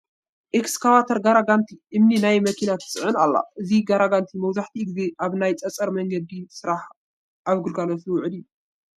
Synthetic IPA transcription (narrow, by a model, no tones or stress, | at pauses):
ʔekskʰawat̪ʰɐɾɡaɾaɡant̪ʰiʔɨmninajmɐkʰinat̪ʰɨ̥sʼɨʕɨnalːa̰ʔɨziɡaɾaɡant̪ʰimɐwzaħt̪ʰiɡize̞ʔaβnajt͡sʼɐt͡sʼɐɾmɐŋɡɐd̪isɨɾaħ | ʔaβɡɨlɡalɐt̪luwʊʕɨd̪ijːu